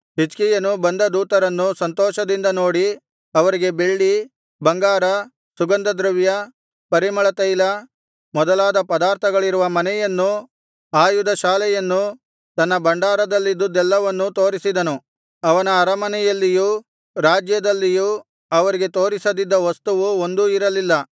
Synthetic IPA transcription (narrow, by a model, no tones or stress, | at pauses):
ɦit͡ʃkijɐnubɐnd̪ɐd̪uːt̪ɐɾɐnːusɐnt̪ɔːʃɐd̪ind̪ɐno̞ːɽi | ɐʋɐɾiɡe̞be̞ɭːi | bɐŋɡaːɾɐ | suɡɐnd̪ɐd̪ɾuʋjɐ | pɐɾimɐɭɐt̪ɐjlɐ | mɔd̪ɐlaːd̪ɐpɐd̪aːɾt̪ʰɐɡɐɭiɾuʋɐmɐnɛjɐnːu | aːjud̪ɐʃaːlɛjɐnːu | t̪ɐnːɐbɐɳɖaːɾɐd̪ɐlːid̪ud̪ɛlːɐʋɐnːut̪o̞ːɾisid̪ɐnu | ɐʋɐnɐːɾɐmɐnɛjɐlːiju | ɾaːd͡ʒjɐd̪ɐlːiju | ɐʋɐɾiɡe̞t̪o̞ːɾisɐd̪id̪ːɐʋɐst̪uʋuond̪uiɾɐlilːɐ